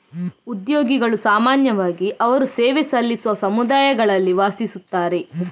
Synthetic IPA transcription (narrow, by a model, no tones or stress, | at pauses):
ud̪jo̞ːɡiɡɐɭusaːmaːnjɐʋaːɡiʔɐʋɐɾuseːʋesɐlːisuʋɐsɐmud̪aːjɐɡɐɭɐlːiʋaːsisut̪ːaːɾe̞